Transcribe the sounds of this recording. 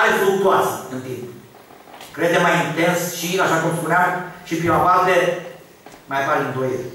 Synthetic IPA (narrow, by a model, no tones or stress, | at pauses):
ajfɾuk̚t̪uasəɨnt̪imp | kɾed̪emajint̪e̞nsʃiaʃakumspuneamʃipɾimavalt̪e | majapaɾind̪ojel